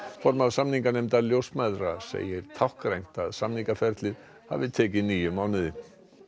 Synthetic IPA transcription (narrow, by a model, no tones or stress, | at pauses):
fɔɾmaðsamniŋkanejmt̪aɾljowsmajðɾasḛːjɪɾ̥t̪ʰawhkɾejn̥t̪aðsamniŋkafɛɾt̪lɪð | ha̰vɪt̪ʰɛːcɪniːjʏmawnɪðɪ